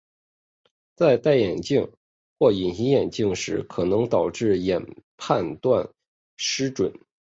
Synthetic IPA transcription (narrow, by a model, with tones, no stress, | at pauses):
t͡sa˥˧ɪt̪a˥˩ɪjɛ˨˩nt͡ɕi˥˧ŋ | xwɔ˥˩i˨˩nɕi˧˥jɛ˨˩nt͡ɕi˥˩ŋʂɻ̩˧˥kʰɤ˨˩nɤ˧˥ŋt̪ɑ˨˩ʊʈ͡ʂɻ̩˥˩jɛ˨˩npʰa˥˧nt̪wa˥˩n | ʂɻ̩˥ʈ͡ʂwə˨˩˦n